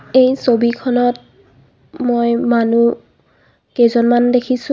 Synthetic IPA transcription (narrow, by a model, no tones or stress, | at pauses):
ejsobikʰɔnɔt̚ | mojmanu | kejzɔnmandekʰisu